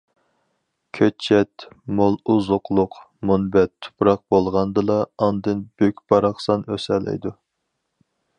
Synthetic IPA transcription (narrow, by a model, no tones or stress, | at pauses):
kʲʰøt͡ʃʰːɛt̪molˠuzʊqlˠʊq | munbɛt̪ʰːu̥pɾɑq̚b̥olˠʁɑnd̪ɨlˠɑːnd̪ɨnb̥økʲb̥ɑɾɑχsɑnøsɛlɛ̰jd̪u